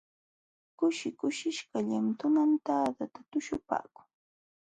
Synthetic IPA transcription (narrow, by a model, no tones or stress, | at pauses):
kʊʃɪkʊʃɪʃkaʎant̪ʊnamt̪aːd̪at̪at̪ʊʃʊpa̰ːkʊ̥ŋ